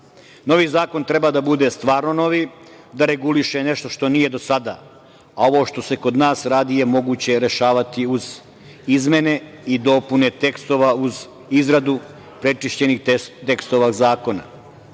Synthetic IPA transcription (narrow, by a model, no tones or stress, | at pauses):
no̞ʋiːzaːko̞nt̪ɾe̞baːd̪abud̪e̞st̪ʋaːɾnono̞ʋi | d̪aɾe̞ɡuliʃeneʃt̪o̞ʃt̪o̞nije̞d̪o̞sad̪a̰ː | ao̞ʋo̞ːʃt̪o̞se̞ko̞d̪naːsɾaːd̪ijemo̞ɡuːt͡ɕe̞ɾe̞ʃaːʋat̪iuz | izme̞ne̞id̪o̞pune̞t̪e̞kst̪o̞ʋauz | izɾad̪u | pɾe̞t͡ʂiʃt͡ɕe̞nixt̪e̞kst̪oʋaɡzaːko̞na̰